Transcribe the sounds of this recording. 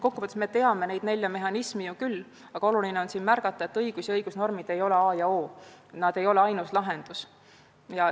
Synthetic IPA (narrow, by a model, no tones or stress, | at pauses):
ko̞kːupɑt̪esme̞t̪e̞ɑme̞ne̞jd̪̥ne̞lʲjɑme̞ɦɑnismijukylː | ɑɡ̥ɑo̞lulineonsiːnmærɡ̥ɑt̪ːˑɑe̞t̪ːɤjɡ̥usjɑɤjɡ̥usno̞rmid̪̥e̞jo̞le̞ɑːjɑoːnɑd̪̥e̞jo̞leɑjnuslɑɦe̞nd̪̥us | jɑ